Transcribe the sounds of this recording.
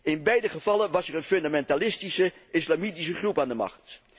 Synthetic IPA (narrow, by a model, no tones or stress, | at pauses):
ɪnbɛjdəχəv̥ɑlənʋɑsɛrənfɵndamɛntalɪstisəɪslamitis̬əχrupaːndəmɑ̰χt